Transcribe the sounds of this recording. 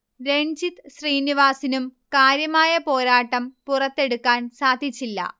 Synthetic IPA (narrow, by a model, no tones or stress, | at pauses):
ɾe̞ɲd͡ʑit̪ɕriːniʋaːsinumkaːɾjɐmaːjɐpo̞ːɾaːʈːɐmpurɐt̪ːe̞ɽukːaːnsaːd̪ʱit͡ɕːilːɐ̰